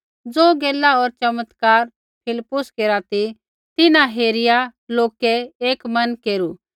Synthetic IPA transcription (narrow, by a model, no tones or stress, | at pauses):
d͡zoːɡeːlaɔːɾt͡ʃɐmət̪kaːɾ | pʰɪlɪpːʊskeːɾat̪i | t̪ɪnãɦeːɾɪjaloːkɛeːkmɐnkeːɾu